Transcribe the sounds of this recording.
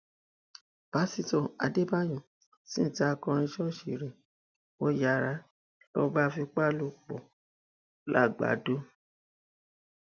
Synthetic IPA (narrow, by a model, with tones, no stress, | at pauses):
b̥a˨˦si˧to˨a̰˧de˦ba˦jɔ̃˨ | sĩ˦n̩˨ta˦a˧kɔ̃˧ɾ̃ĩ˧ʃɔ˦ʃi˨ɾe˨ | wo˦ja˧˨ɾa˧˦ | lɔ̰˧ba˦fi˧k͡pa˦lu˦k͡pɔ̰˨ | la̰˦˨ɡ͡ba̰˨˦do˦